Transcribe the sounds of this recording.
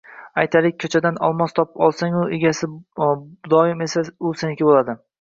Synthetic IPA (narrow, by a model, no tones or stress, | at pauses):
ajt̪ʰalɪk̚ʲʰːɵt͡ʃʰad̪anɒ̰lˠmɒst̪ʰɒpɒlˠsaŋʊeɡʲasɪ | d̪ɒɪme̞saʊsenɪkʲɪbolad̪ɪ